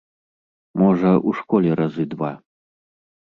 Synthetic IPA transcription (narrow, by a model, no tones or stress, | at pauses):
mɔʐɐuʂkɔlʲɛɾɐzɨd̪va